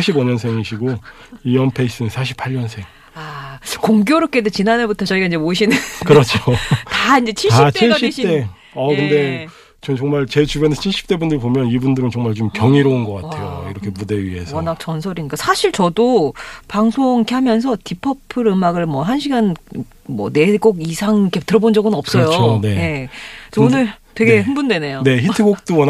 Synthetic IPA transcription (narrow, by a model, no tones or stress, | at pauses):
aɕʰibʌɲʌnsʰeŋiɕʰiɡo | ijʌnpʰeis͈ɯɯnsʰaɕʰi̥pʰaʎɲʌnsʰe̞ŋ | akoŋɡjoɾok͈edet͡ɕinanebutʰʌt͡ɕʌiɡaiɲd͡ʑemoɕʰinɯnkɯɾʌt͡ɕʰotaind͡ʑet͡ɕʰiat͡ɕʰiɭɕ͈ʰip̚t͈e̞ | ʌkɯnde̞ | t͡ɕomt͡ɕʌŋmaɭt͡ɕe̞t͡ɕubjʌnet͡ɕʰiɭɕ͈i̥p̚t͈e̞bundɯɭpomjʌnibundɯɾɯnt͡ɕʌŋmaɭt͡ɕomkjʌŋiɾounɡʌk͈atʰe̞jo̰ḭɾʌkʰe̞mudeɥḭɦe̞̰sʰwʌnak̚t͡ɕʌnsʰʌɾiɲik͈asʰaɕʰiɭt͡ɕʌdopaŋsʰoŋkʰihamjʌns̬ʰʌtipʰʌpʰɯɾɯmaɡɯɭmwʌɦanɕʰiɡan | mwʌne̞k͈oɡisʰaŋkʰetɯɾʌbond͡ʑʌɡɯnʌp̚s͈ʌjot͡ɕʰone̞ne̞t͡ɕʌonɯɭtwe̞ɡe̞hɯnbundwe̞ne̞jone̞çitʰɯɡok̚t͈owʌn